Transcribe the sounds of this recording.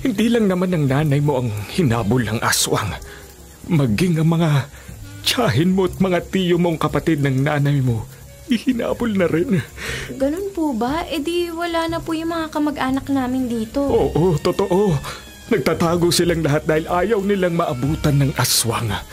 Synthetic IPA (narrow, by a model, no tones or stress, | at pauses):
hɪnd̪iːlɐŋnɐmanːɐŋnaːnɐjmo̞ʔɐŋhɪnaːbolnɐŋʔa̰swɐ̰ŋ | mɐɡiŋɐŋmɐŋa | t͡ʃaːɦɪnmoʔɐt̪̚mɐŋat̪iːjomo̞ŋkɐpɐt̪ɪd̪̚nɐŋnaːnɐjmo̞ | ʔɪhɪna̰ːbolnɐɾɪnɡɐnonpubɐʔɛd̪iwɐlaːnɐpujʊŋmɐŋakɐmɐɡʔaːnɐk̚naːmɪnd̪iːt̪o̞ʔoːʔot̪ot̪oʔo̞ | nɐɡ̚t̪at̪aːɡosɪlaŋlɐɦat̪̚d̪aːhɪlʔaːjɐwnɪlaŋmɐʔɐbuːt̪ɐnːɐŋʔaswɐ̰ŋ